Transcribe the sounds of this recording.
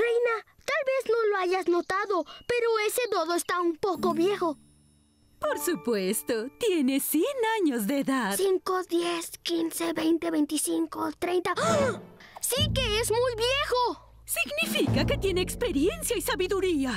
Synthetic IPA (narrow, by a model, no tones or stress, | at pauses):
rejna | t̪alβe̞zno̞loaʝasno̞t̪aðope̞ɾo̞eseðoðoest̪aumpoko̞βje̞xo | poɾsupwe̞st̪ot̪jene̞sjenaɲozd̪eːðaðsiŋkod̪jeskinseβe̞jnt̪eβejnt̪isiŋkot̪ɾejnt̪a | sikeezmujbjexo | siɡnifikake̞t̪je̞neːkspe̞ɾje̞nsjaisaβiðuɾia